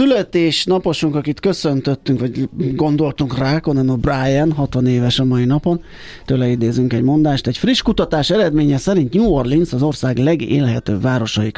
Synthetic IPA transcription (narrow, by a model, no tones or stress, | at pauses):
sylɛt̪eːʃnɒpo̞ʃuŋkɒkit̪kø̞sø̞nt̪øt̪ːyŋkʋɒɟɡo̞nd̪o̞lt̪uŋkraːkonɛmɒbraːjɛnɦɒt̪ʋɒneːvɛʃɒmɒjinɒpo̞n | t̪øːlɛid̪eːzyŋkɛɟmo̞nd̪aːʃt̪ɛcfriʃkut̪ɒt̪aːʃɛɾɛd̪meːɲɛsɛɾint̪ɲuorlinsɒzo̞rsaːɡlɛɡḛːlɦɛt̪ø̰ːbvaːɾo̞ʃɒik